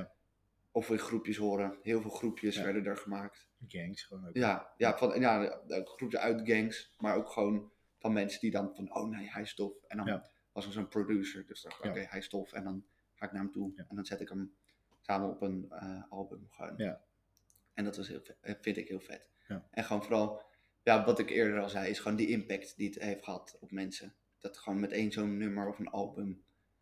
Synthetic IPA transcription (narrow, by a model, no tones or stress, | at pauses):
oflɪkχrupjəsɦoːɾəɦɪːlˠvɪːlˠχrupʰjəsʋɛɹdədəɹχəmaːkt | ɡɛŋsjajafɑnjaχrupjəœɥtɡɛŋsmaːɹowkχəʋown | fɑnmɛnsədidɑnfɑno̰wnejɦɛjɪstɔfɛndɑn | ʋɑsəɹsonprodʉsəɹdøsdnʔo̰kejɦɛjɪstɔfɛ̰̃ndɑn | χaːɪknaːɹəmtuʔɛndɑnzɛtɪkəm | saːməɔpənəɑlˠbəmχəʋo̰wn | ʔɛndɑtʋɑsɦɪ̰lˠfɪntɪkɦɪːlˠfɛ̰t | ʔɛnχəʋownfoɾɑlˠ | jaːʋɑtɪkɪ̰ːɹdəɹɑlˠzɛjɪsχəʋowndiʔɪmpɛktdiətɦejftχəɦɑtɔpmɛnsə | d̥ɑtχəʋownmɛtejnzownːɵməɹɔfənɑ̰lˠbəm